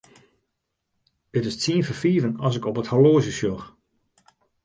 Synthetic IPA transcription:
ətɪstsiənfəfiːvənɑsɪkɔpəthaloːzəsjox

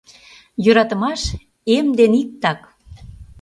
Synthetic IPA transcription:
jøɾɑt̪ə̆mɑʃ | emd̪enik̚t̪ɑk

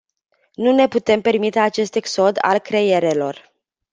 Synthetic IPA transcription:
nune̞put̪e̞mpe̞rmit̪e̞at͡ʃe̞st̪e̞kso̞d̪a̰lkɾe̞je̞ɾe̞lo̞r

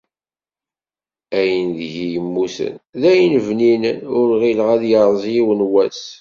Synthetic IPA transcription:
æjənðʝijəmːusə̰nðæjənvninənʊɾʁilʁæðjəɾˤzˤjiwənwæs

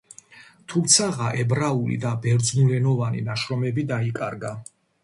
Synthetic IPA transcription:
t̪ʰumt̪sʰaʁaʔɛbɾaulḭd̪abɛɾd̪znulɛnɔvanḭnaʃɾɔmɛbid̪aikʼa̰ɾɡa

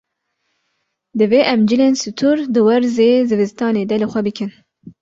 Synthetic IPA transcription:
d̪ɨveːʔɛmd͡ʒɨleːnsɨt̪ʰuɾd̪ɨwæɾzeːzɨvɨst̪ɑːneːd̪ɛlɨxʷɛbɨkʰɨn

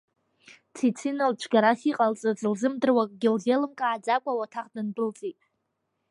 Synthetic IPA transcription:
t͡sʰit͡sʰinalt͡ʃʷʰɡaɾasiqʼalt͡sʼɨd͡zɨlzɨmdɨrwakʼɡʲɪlzelɨmkʼaːd͡zakʷʼawatʰaχdɨnbɨlt͡sʼitʼ

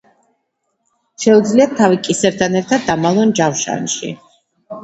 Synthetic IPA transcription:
ʃɛud̪zliatt̪ʰavikʼisɛɾt̪ʰanɛɾt̪ʰad̪̚ːamalˠɔnd͡ʒafʃa̰nʃḭ

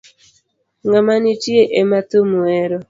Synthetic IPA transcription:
ŋamanitjeʔematumwɛɾɔ

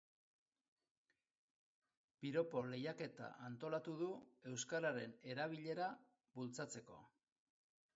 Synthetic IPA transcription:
piɾo̞po̞le̞jake̞t̪a̰ʔant̪o̞lat̪uðue̞wskaɾaɾe̞ne̞ɾaβ̞iʎe̞ɾa | bult͡sat͡se̞ko̞̰

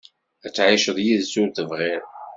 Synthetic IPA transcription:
æt͡sːʕiʃəðˤjiðsunt̪əvʁɪɾ

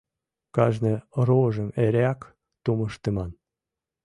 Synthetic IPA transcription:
kɑʒnĕɾoʒə̆meɾeɑk | t̪uməʃt̪ĕmɑn

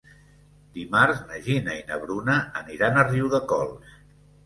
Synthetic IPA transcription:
d̪imaɾznəʒinəinə̰βɾunəːniɾanəriwðəkɔ̰lˠs

